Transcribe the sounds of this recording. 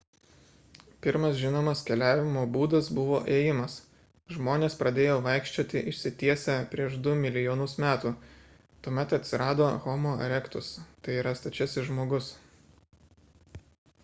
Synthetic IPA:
pʲɪɾmɐsʒʲɪnoːmɐskʲɛlʲæːʋʲɪmoːbuːd̪ɐsbʊʋoːʔeːjɪmɐs | ʒmoːnʲeːspɾɐd̪ʲeːjoːʋɐɪkʃʲt͡ʃʲoːt̪ʲɪʔɪʃʲsʲɪt̪ʲiɛsʲɛpʲɾʲiɛʃd̪ʊmʲɪlʲɪjoːnʊsmʲæːt̪uː | t̪uɔmʲɛt̪ɐt̪ʲsʲɪɾɑːd̪oːɣɔmoːɐ̰ɾʲɛkt̪ʊst̪ɐɪiːɾɐst̪ɐt͡ʃʲɛsʲɪʒmoːɡʊs

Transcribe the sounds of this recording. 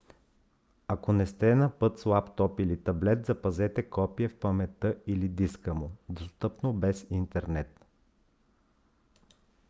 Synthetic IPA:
ɐkonɛst̪ɛnɐpɤt̪slˠapt̪ɔpilit̪ɐblɛt̪zɐpɐzɛt̪ɛkɔpijɛfpɐmɛt̪ɤilid̪iskəmod̪ost̪ɤpnobɛsint̪ɛɾnɛt̪

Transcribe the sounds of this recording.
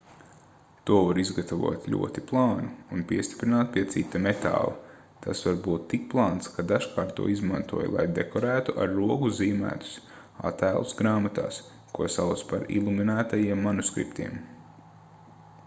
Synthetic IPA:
t̪uɔvaɾizɡat̪avṵɔt̪lʲṵɔt̪iplˠɑːnuːnpiɛst̪i̥pɾinaːt̪̚piɛt̪sit̪ːamet̪a̰ːlˠa | t̪ʰasvaɾbuːt̪ːik̚plˠaːnt̪skad̪aʃkaːɾt̪ːṵɔizmant̪uɔj̰lˠa̰jd̪ekɔɾæːt̪uʔaɾːuɔɡuziːmæ̰ːt̪u̥s | a̰t̪ːæːlˠusɡɾaːmat̪a̰ːs | kuɔsawt̪spaɾḭlˠuminæːt̪ajiɛmːanuskɾḭpt̪ḭɛm

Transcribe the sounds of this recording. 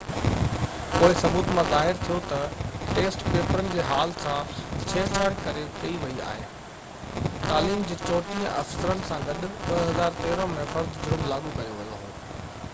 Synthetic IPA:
poːɦɪsɐbuːt̪mãzaːɦɪɾt̪ʰijot̪ɐʈeːsʈpeːpəɾənɪ̆d͡ʑeːɦaːlsãt͡ɕʰeːsʰəːɽkɐɾekɐiʋɐia̰ːɦḛ | t̪aːliːmd͡ʑiːt͡ɕɔːʈ̪iə̃ʔɐ̰fsəɾənɪ̆sãɡɐɗʊɓɐɦɐzaːɾt̪eːɾə̃mẽfɐɾd̪ʱd͡ʑʊɾmlaːɡʱukɐjoʋɐjoɦoː

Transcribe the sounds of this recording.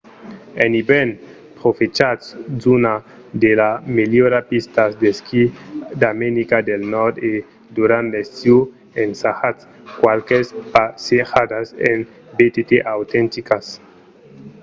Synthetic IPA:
eniben | pɾofet͡ʃatszuna | d̪elameljoɾapist̪asd̪eskid̪amenikad̪elnɔɾd̪e | d̪uɾant̪lest̪ju | ensahat̪s | kwalkespasexad̪asḛn | bet̪et̪eʔawt̪ent̪ikas

